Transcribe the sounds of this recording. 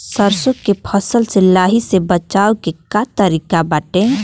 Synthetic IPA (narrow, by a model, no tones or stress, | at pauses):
səɾsõkepʰəsəlselaːɦisebət͡ʃaːokekat̪əɾiːkabaːʈẽ